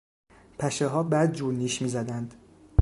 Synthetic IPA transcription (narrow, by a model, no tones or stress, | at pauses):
pʰæʃeɦɒːbæːd̪̚d͡ʒuːɾniːʃmiːzæd̪ænd̪̥